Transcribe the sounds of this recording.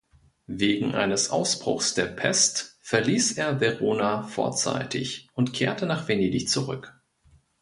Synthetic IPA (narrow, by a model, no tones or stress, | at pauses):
veːɡŋ̩ʔa̰ɪnəsʔa̰ʊsb̥ʁ̥ʊ̰xsd̥eːɐpʰɛ̰stfɛɐliːsʔeːɐvɛʁoːnafo̰ɐt͡sa̰ɪtʰɪ̰çʔʊntkʰeːɐtənaːχv̥eneːdɪçt͡suʁʏk